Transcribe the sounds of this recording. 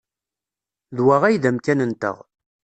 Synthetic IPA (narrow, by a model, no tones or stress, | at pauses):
ðwæʁæjðæmkænənt̪ə̰ʁ